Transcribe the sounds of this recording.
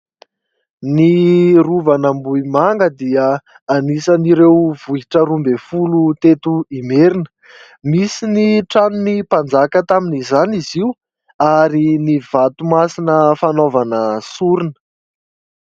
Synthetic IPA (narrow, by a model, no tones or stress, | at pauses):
niruvanambuimaŋɡəd̪iə | anisaniɾewv̥uɦiʈ͡ʂəɾumbefulut̪et̪uimeɾinə̥ | misiniʈ͡ʂanunipand͡zakət̪aminizaniziw | aɾiniv̥at̪umasinəfanovanəsuɾinə̥